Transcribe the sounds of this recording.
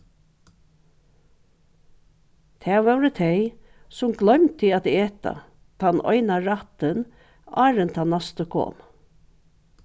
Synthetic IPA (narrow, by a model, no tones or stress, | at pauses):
t̪ʰɛːʋɛwɾət̪ʰɛj | sʊmɡlœʏmt̪ʰɪat̪eːt̪a̰ | t̪ʰanɔ̰ɪnaɾat̪ɪn | a̰ːɾənt̪ʰanːast̪əkʰo̰ːm